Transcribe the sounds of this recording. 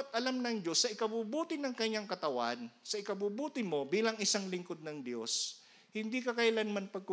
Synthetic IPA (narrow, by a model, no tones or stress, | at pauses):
t̪̚ʔɐlamnɐŋd̪o̞sːɐʔɪkɐbuːbuːt̪ɪnɐŋkɐɲːaŋkɐt̪ɐwa̰nsɐʔɪkɐbuːbuːt̪ɪmo̞biːlɐŋɪsaŋlɪŋkod̪̚nɐŋd̪jo̞s | hɪnd̪ikɐkɐjɐlanmanpɐɡ̚ku